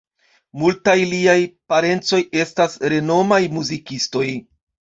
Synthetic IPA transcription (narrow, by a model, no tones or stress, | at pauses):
multajliajpaɾe̞nt͡so̞je̞stasɾe̞no̞majmuzikisto̞j